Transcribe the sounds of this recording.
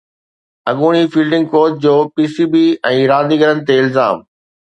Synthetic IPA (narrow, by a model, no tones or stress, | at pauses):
ɐɠuːɽ̃ifiːlɖɪ̃ŋɡ̚koːd͡ʑ̚d͡ʑoːpiːsiːbiɛ̃ːɾaːd̪iːɡəɾənɪ̆t̪eɪlzaːm